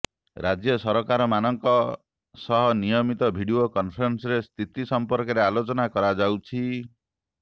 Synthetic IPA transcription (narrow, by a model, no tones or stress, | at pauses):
ɾad͡ʒjɔsɔɾɔkaɾɔmanɔŋkɔ | sɔɦɔnijɔmit̪ɔbʱiɽiokɔnpʰɾɔnsɔɾest̪ʰit̪isɔmpɔɾkɔɾealot͡ʃɔnakɔɾad͡ʒawt͡ʃʰi